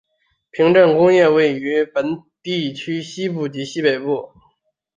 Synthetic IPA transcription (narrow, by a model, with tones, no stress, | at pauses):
pʰi˧˥ŋʈ͡ʂə˥˩nkʊ˥ŋjɛ˥˧we˥˩ɪy˧˥pə˧˥nt̪i˥˩t͡ɕʰy˥ɕi˥p̬u˥˩t͡ɕi˧˥ɕi˥pe˨˩ɪpu˥˩